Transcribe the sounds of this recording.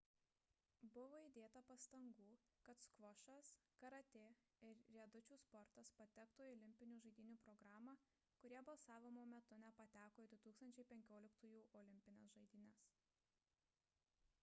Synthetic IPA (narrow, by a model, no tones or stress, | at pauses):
bʊʋoːid̪ʲeːt̪ɐpɐst̪ɐŋɡuː | kɐt̪skʋɔʃɐskɐɾɐt̪ʲeː | ɪɾɾʲiɛd̪ʊt͡ʃʲuːspɔɾt̪ɐspɐt̪ʲɛkt̪uːɔːlʲɪmʲpʲɪnʲuːʒɐɪd̪ʲiːnʲuːpɾɔɡɾɑːmɑ | kʊɾʲiɛbɐlˠsɑːʋʲɪmoːmʲɛt̪ʊnʲɛpɐt̪ʲæːkoːid̪ʲɪt̪uːkst̪ɐnʲt͡ʃʲɛɪpʲɛŋʲkʲoːlʲɪkt̪uːjuːʔɔːlʲɪmʲpʲɪnʲɛsʒɐɪd̪ʲiːnʲɛs